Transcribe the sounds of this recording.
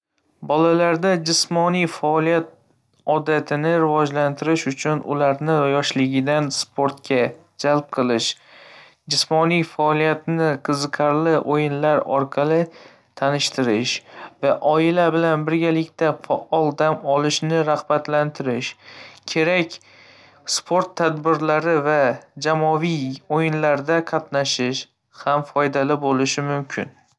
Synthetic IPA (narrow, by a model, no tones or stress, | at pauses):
bɒlalaɾd̪ad͡ʒɪsmɒnijfaːlˠijat̪̚ | ɒd̪at̪ʰɪnɪɾɪvɒd͡ʒlant̪ʰɪɾɪʃʊt͡ʃʰʊnʔʊ̰laɾnɪjɒʃlɪɡʲɪd̪anspʰoɾt̪kʲʰa | d͡ʒalp̚qʰɨlˠɪʃ | d͡ʒɪsmɒnijfaːlˠijat̪nɪqʰɨzɨqʰɑɾlɪʔojɪnlaɾɒ̰ɾqʰɑlˠɪ | t̪ʰanɪʃt̪ʰɪɾɪʃvaʔɒɪlabɪlanbɪɾɡʲalɪkʲt̪afaʔɒlˠd̪amɒlɪʃnɪɾahbat̪lant̪ʰɪɾɪʃkʲʰe̞ɾakʲ | spʰoɾt̪ʰːad̪bɪɾlaɾɪvad͡ʒamɒvijojɪnlaɾd̪aqʰɑt̪naʃɪʃ | hamfɒjd̪alɪbolɪʃɪmʊmkʲʰɪ̰n